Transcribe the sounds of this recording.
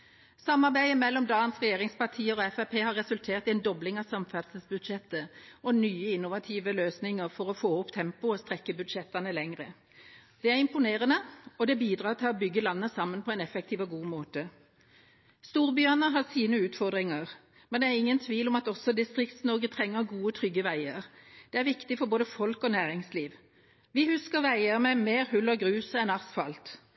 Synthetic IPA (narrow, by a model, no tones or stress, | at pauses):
sɑmːɑʁbæɪəmɛlːɔmd̪ɑːənsʁɛjeːʁɪŋspɑʁt̪ʰiːəɔɛfæpʰeːhɑɾɛsʉlt̪ʰeːʁt̪ɪɛnd̪ɔblɪŋɑʋsɑmfæd̪səsbʉd̪ʃɛt̪ːəɔnyːəɪnʊʋɑt̪ʰiːʋəløːsnɪŋəʁfɔɾɔfoːʊpt̪ʰɛmpʊɔst̪ɾɛkːəbʉd̪ʃɛt̪ːɑnəlɛŋʁə | d̪̥ɛæʁɪmpʊneːʁənəɔd̪ɛbiːd̪ʁɑːʁt̪ʰɪlɔbʏɡːəlɑnːəsɑmːənpʰɔɛnɛfɛk̚t̪ʰiːʋəɡuːmoːt̪ə | st̪uːʁbjœːnəɦɑsiːnəʉːt̪fɔʁd̪ʁɪŋəʁ | mɛnd̪ɛæʁɪŋːənt̪ʰʋiːlɔmɑt̪ɔsɔd̪ɪst̪ʁɪkt̪snɔɾɡət̪ʰʁɛŋːəʁɡuːət̪ʰʁʏɡːəʋæɪəʁd̪̥ɛæʁʋɪkt̪ɪfɔɾboːd̪əfɔlkɔnæːʁɪŋsliːʋ | ʋɪhʉskəʁʋæɪəʁmɛmeːʁhʉlːɔɡʁʉːsəɛnɑsfɑlt̪